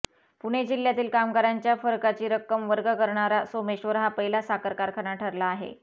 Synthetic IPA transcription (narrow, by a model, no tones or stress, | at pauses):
puɽ̃ed͡ʑiljat̪iːlkamɡaɾaɲt͡ɕjafəɾkat͡ɕiːɾəkːəmʋəɾɡəkəɾɳaɾasomeɕʋəɾɦapəilasakəɾkaɾkʰəñaʈʰəɾlaːɦḛ